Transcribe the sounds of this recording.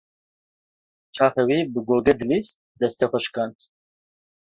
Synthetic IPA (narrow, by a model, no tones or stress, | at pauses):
t͡ʃʰaːχɛwibɨɡoːɡɛd̪lis̚ | d̪ɛst̪ɛxʷɛʃkʰant̪ʰ